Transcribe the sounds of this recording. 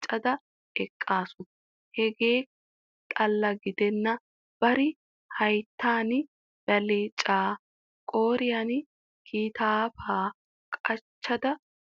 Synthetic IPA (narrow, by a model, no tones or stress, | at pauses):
t͡ʃʼːɐd̪ɐ | ʔɛkʼːaːsʊ | hɛɡeː | t̪ʼɐlːɐɡɪd̪ɛnːɐ | b̥ɐɾɪ | hɐjt̪ːaːn | b̥ɐleːt͡ʃʼaː | kʼo̞ːɾɪjan | kʰiːt̪aːfaː | kʼɐt͡ʃːɐd̪ɐ